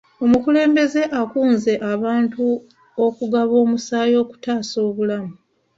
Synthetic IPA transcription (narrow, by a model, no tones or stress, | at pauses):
o̞mukule̞ːmbe̞ze̞ʔakuːnze̞ʔaβaːntu | o̞kuɡaβo̞ːmusaːjo̞ːku̥taːso̞ːβulamu